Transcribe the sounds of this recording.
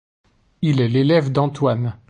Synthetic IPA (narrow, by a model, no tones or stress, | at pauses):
ilɛlelɛvd̪ɑ̃t̪wan